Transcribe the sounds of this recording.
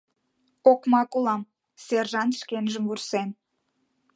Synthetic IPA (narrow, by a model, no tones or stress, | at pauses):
okmɑkulɑm | serʒɑnt̪ʃkenʒəmvursen